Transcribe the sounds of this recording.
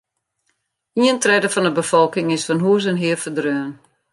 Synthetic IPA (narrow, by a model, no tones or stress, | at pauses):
iəntrɛdəfɔndəbəfɔlˠkɪŋɪsfɔnɦuəs̬ənɦɪəfədrøən